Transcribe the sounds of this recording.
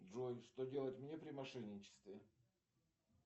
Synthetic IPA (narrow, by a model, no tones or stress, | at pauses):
ʐojʂt̪odʲelˠəɪt̪ʲmʲnʲepɾʲɪmɐʂɛnʲɪnʲɪt͡ɕɪ̥st̪vʲɪ